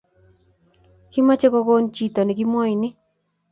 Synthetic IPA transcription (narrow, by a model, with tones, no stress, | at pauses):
ki˦ma˦t͡ʃe˦ko˧ko˦nt͡ʃi˨t̪o˨ni˨k̬i˦mwɔ˦i˨ni˦